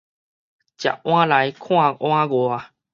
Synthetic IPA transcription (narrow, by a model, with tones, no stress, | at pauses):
t͡ɕja̰˨ʔw̃ã˦la˨˦jkʰw̃ã˥˧˨ʔw̃ã˦ɡwa˧˦